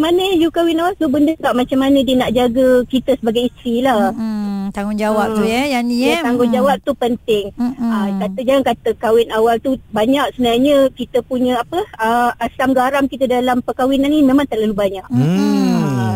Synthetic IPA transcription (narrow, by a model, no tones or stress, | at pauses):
manəjukawɪnawalt̪ubəndək̪aʔmat͡ʃamːanə̃diənaʔd͡ʒaɡəkit̪əsəbaɡajist̪ɾila | t̪aŋʊnd͡ʒawap̚t̪ujəjanijat̪aŋɡʊnd͡ʒawap̚t̪upənt̪ɪŋəkat̪əd͡ʒaŋankat̪əkawɪnawalt̪ubaɲak̚səbənaaɲə̃kit̪əpuɲə̃apəəasamɡaɾamkit̪ədalampəkawinanimẽmãŋt̪əʔlalubaɲaʔ